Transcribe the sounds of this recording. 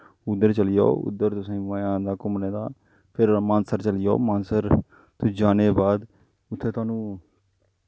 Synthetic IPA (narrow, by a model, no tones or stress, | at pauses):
ʊd̪ːəɾt͡ʃəlɪjo̰ːʊ̰d̪ːəɾt̪ʊsẽːãːjãːd̪aːkʊmneːd̪aː | pʰɪɾmãːnsəɾt͡ʃəlɪjo̰ːmaːnsəɾ | t̪ʊd͡ʒaːneːbaːd̪ | ʊt̪ʰːeːt̪ʊwaːnũː